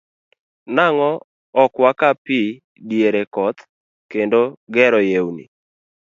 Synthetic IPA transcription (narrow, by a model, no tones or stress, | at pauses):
naŋɔ | ɔkwakapi | djeɾekɔt̪ | kendoɡɛɾɔjewnḭ